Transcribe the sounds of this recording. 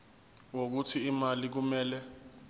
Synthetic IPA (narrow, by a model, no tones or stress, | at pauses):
wok̬utʰiːmalik̬umɛːlɛ